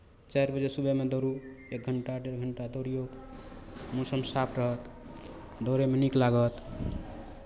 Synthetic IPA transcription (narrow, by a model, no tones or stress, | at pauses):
t͡ʃajɾbəd͡ʒesubemed̪ɔɾu | ek̚ɡʱəɳʈaɖeɾɡʱəɳʈad̪oɾijok | mosəmsapʰɾəɦət̪ | d̪oɾemeniklaɡət̪